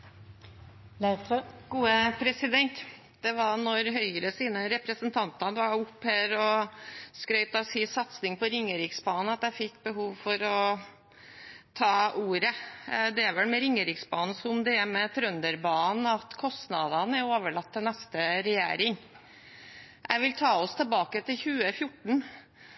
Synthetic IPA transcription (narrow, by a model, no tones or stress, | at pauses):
ɡ̥uːəpʰɾɛsɪd̪ɛnt̪ | d̪̥ɛʋɑnɔɾɦœʏəɾəsiːnəɾɛpɾəsənt̪ʰɑnt̪ɑnəʋɑɾʊpːhæːɾɔskɾœʏt̪ɑsiːsɑt̪snɪŋpɔɾɪŋːəɾɪksbɑːnn̩ɑt̪d̪æɪfɪkːbəɦuːʋfɔɾɔ | t̪ʰɑːuːɾəd̪ɛæʋɛlmɛɾɪŋːəɾɪksbɑːnn̩sɔmd̪ɛæmɛt̪ʰɾœnd̪əɾbɑːn̩ɑt̪kʰɔst̪nɑd̪ɑnæɾoːʋəɭɑt̪ʰːɪlnɛst̪əɾɛjḛːɾɪŋ | ʔæ̰ɪʋɪlt̪ʰɑːɔst̪ʰəlbɑːkət̪ʰɪlçʉːəfjʊʈːɳ̩